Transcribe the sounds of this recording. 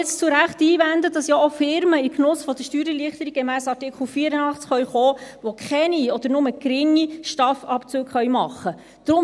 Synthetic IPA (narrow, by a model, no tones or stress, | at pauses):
t͡st͡suɾæχtiːvænd̪əd̥ɑsjɑofɪɾməiknʊsfɔd̥̪əʃtyːɾəliəχt̪əɾik̚ɡ̚ɡemæːsɑtɪkχl̩fiːəɾənɑχt͡sχœɥχoːʋokʰχɛniɔd̥̪əɾnʊməkɾɪŋːiʃtɑfɑpt͡søːkχœʏmɑχːə | d̥ɾʊm